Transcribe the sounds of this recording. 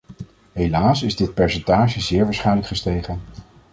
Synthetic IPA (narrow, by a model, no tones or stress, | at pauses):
ɦejlaːsɪzdɪt̚pɛɹsɛntaːʒəzɪːɹʋaːsχɛjnləkχəstejχən